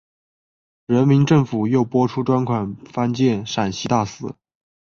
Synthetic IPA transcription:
ɻə˧˥nmi˧˥nʈ͡ʂɤ˥˩ŋfu˨˩jo˥˩ʊpwɔ˥ʈ͡ʂʰu˥ʈ͡ʂwa˥nkʰwa˨˩nfa˥nt͡ɕjɛ˥˩nʂa˨˩nɕi˧˥t̪a˥˩sɹ̩˥

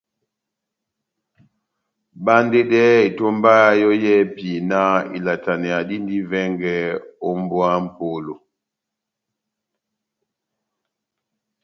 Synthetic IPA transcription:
ba˦n˦de˦dɛ˦i˨to˦mba˦a˦jɔ˦jɛ˦pi˨na˦ḭ˨la˨ta˨nɛ˨a˨di˦n˦di˦vɛ˦ŋɡɛ˦o˦m˦bwa˦m̩˦po˦lo˨

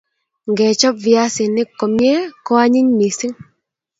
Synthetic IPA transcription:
ŋɡɛ˨t͡ʃɔ˦p̚vja˦sɪ˨nɪ˦kːɔ˨mje˦kɔ˦a˦ɲi˦ɲmi˨si˦ŋ

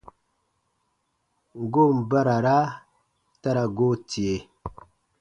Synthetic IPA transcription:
ɡo˦˨m˨ba˦ɾa˨ɾa˦ | ta˦ɾa˨ɡo˦ti˨e˨

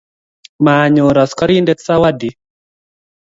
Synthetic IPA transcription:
ma˨ɲo˨ɾa˨skɔ˦ɾi˦ndɛ˦t̪sa˦wa˦di˨

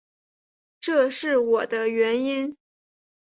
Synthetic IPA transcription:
ʈ͡ʂɤ˥˧ʂɻ̩˥˩wɔ˨˩d̪ə˦ɥɛ˧˥ni˥n

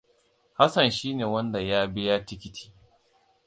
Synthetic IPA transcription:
ha˦sɐ˨nʃiː˦neː˨wɐ˦nda˨jaː˦bɪ˦ja˦tɪ˦kʲɪ˦tʰi̥ː˦

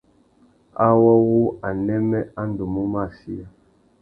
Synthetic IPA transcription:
a˦wɔ˦wu˦a˨nɛ˦mɛ˦a˦n˦du˨mu˦ma˦˨si˦a˦

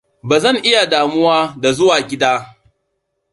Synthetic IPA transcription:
baː˨zɐ˦˨ŋʔɪ˦ja˨daː˨mʊ˦waː˦da˨zʊ˦waː˨ɡʲɪ˦daː˦

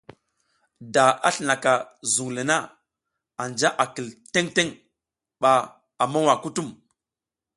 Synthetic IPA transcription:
da˨a̰˦ɬi˨na˨ka˨zu˨ŋlə˨na˦ | a˨nd͡ʒa˦ʔa˨kə˨lte˦ŋte˦ŋ | ɓa˨ | a˨ma˦wa˨ku˦tu˦m

